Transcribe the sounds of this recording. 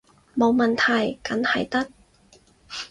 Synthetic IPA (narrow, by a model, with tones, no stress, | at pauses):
mo˨˧wmɐ˨˩nt̪ʰɐ˨˩jkɐ˨˥nhɐ˨˩jt̪ɐ˥t̚